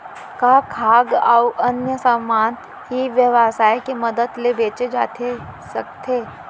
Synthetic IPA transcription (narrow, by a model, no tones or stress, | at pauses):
kakʰaːɡaʔənjəsamːaːn | ɦiʋjəʋaːsaːjkeməd̪əd̪lebʱeːt͡ʃed͡ʒa̰ːt̪ʰe | sɐkt̪ʰeː